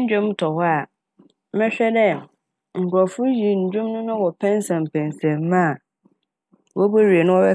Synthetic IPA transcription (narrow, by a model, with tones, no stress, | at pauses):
ɲ̩˦d͡ʑᶣʊ̃˦m˦tʰɔ˨hɔ˦a˨ | mɛ̃˦ɕᶣɛ˦dɛ˦ | ŋ̩˨kɾɔ˨fʊ˦ji˨ɲ̩˨d͡ʑᶣũ˦mnʊ̃˦nʊ̃˦wɔ˨pʰɛ̃˦n˦sã˨m˨pʰɛ̃˨n˨sɛ̃˨mːã˦˨ | wʔɔ˦bo˦ɾi˨e˨nʊ̃˦wɔ˦bɛ˦